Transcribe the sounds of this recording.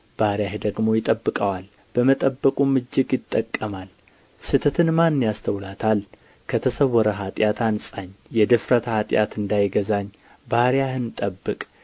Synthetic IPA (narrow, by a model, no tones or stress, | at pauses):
b̥ahɾjaɦd̪əɡmo̞jɪt̪ʼəbːɨkʼəwal | b̥əmət̪ʼəbːəkʼumɨd͡ʒːɪɡjɪt̪ʼːəkʼːəmal | sɨt̪ʰət̪ʰɨnmanːjast̪ʰəwlat̪ʰal | kʰət̪ʰəsəwːɔɾəɦat̪ʼjat̪ʰansʼaɲːjɛd̪ɨfɾət̪ʰhat̪ʼja̰t̪ɨnd̪ajɡəzaɲː | baɾjahɨnt̪ʼəbːɨkʼ